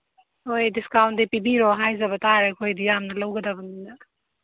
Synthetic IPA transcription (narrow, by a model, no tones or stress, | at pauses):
ɦojdiskawɳʈd̪ipibiɾoɦajzɐbɐt̪aɾekʰojd̪ijamnɐlɐwɡɐd̪abɐnd̪ind̪a